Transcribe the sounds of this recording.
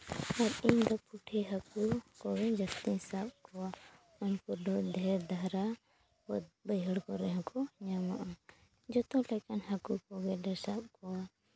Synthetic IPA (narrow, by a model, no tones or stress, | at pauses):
aɾiɲd̪ɔpuʈʰiɦakukɔwɛd͡ʒəst̪isap̚kɔwa | ɔnpɔɾdɔʔd̪ʱɛɾd̪ʱaɾa | ɔbəjɦəɽkɔɾɛɦɔ̃kɔɲamaʔa | d͡ʒɔt̪ɔlɛkanhakukɔɡɛdɛsap̚kɔwa